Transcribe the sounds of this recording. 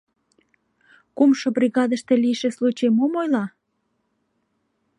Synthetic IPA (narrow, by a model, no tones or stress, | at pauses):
kumʃobriɣɑd̪əʃt̪e̽liʃeslut͡ɕemomojlɑ